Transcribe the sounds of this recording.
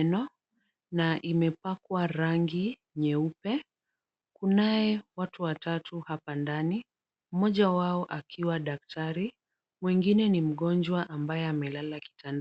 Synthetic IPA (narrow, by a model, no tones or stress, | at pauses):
nɔ | naʔimɛpakwaɾaŋɡi | ɲɛupɛ | kunaɛwatuwatatʰuhapandani | m̩mɔʄawaɔʔakʰiwaɗak̚tʰaɾi | mwiŋɡinɛnim̩ɠɔnd͡ʒwaʔambajɛamɛlalaki̥tand